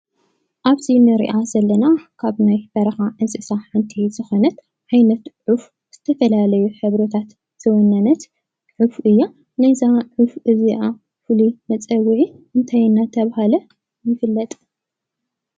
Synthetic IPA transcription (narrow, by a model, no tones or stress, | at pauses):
ʔaβzinɨɾḭʔazɐlːɐnakʰaβnajbɐɾɐxaʔɨnsʼɨsaɨnt̪ʰizɨxonɐt̪ | ʕajnɐt̪ʕuf | z̥ɨt̪ʰɐfɐlalɐjuħɨβɾɐt̪ʰat̪ | z̥ɨwɔnːɐnɐt̪ | ʕufʔɨjːa | najzaʕufʔɨziʔa | fɨlimɐt͡sʼɐɡʕiʔɨnt̪ʰajɨnːat̪ʰɐβahalɐ | jɪfɨlːɐt̪ʼ